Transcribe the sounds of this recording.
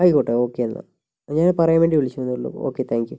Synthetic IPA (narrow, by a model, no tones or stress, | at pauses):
ɐjkoʈːeo̞ːkːeɐnːɐ̰ | ɲaːnpɐrɐjɐmʋeːɳɖiʋiɭit͡ɕːuʋɐnːɭːṵo̰ːkːet̪ʰaːŋkju